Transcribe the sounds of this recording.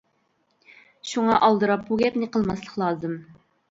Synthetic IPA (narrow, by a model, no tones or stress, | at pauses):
ʃuŋɑʔɑlˠd̪ɨɾɑp̚buɡʲɛpnɨqʰəlˠmɑslˠəχlˠɑːzɨm